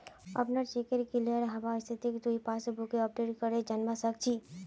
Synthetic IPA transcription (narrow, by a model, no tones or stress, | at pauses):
ə̰pnəɾt͡ʃekəɾkiliəɾɦɐbast̪ʰit̪ikt̪uipaːsbukeɔp̚ɖeʈkəɾed͡ʒənbasək̚t͡ʃʰi